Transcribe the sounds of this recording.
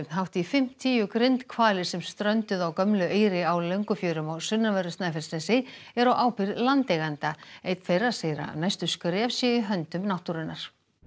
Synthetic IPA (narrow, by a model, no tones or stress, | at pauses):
ɦawt̪ifɪm̥t̪ʰiːjʏkɾejnt̪kʰvaːlɪ̥sɛmst̪ɾœnt̪ʏðawkœmlʏʔeːjɾɪawlœɥŋkʏfjœːɾʏmɔsʏnːavɛɾʏst̪nafɪɾ̥snɛsɪɛɾɔwʔaːwpɪɾlant̪ejɣant̪aeːjt̪fejrḁsejɾa̰najst̪ʏskʏɾɪav̥sjɛɪɦœnt̪ʏmnawht̪uɾɪnːaɾ̥